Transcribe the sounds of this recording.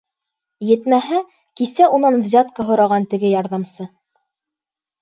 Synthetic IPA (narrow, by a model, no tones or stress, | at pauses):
jɘ̆t̪mæɦæ | kisæunɑnvzʲat̪kəɦŏɾɑʁɑnt̪ɘ̆ɡɘjɑɾðɑmsɤ